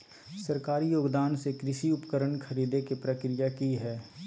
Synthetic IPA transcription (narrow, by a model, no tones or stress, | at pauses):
sɐɾkaːɾijoːɡd̪aːnsekɾɪʃiʊpkəɾəɳkʰɐɾiːd̪ekepɾəkɾɪjakiɦɛː